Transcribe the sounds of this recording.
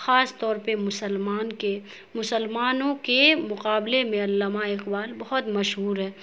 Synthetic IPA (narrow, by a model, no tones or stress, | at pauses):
xaːst̪ɔːɾpemʊsəlmaːnke | mʊsəlmaːnõkemʊqaːblemẽɐlːaːmaɪqbaːlbɐɦɔt̪mɐʃɦuːɾɦɛː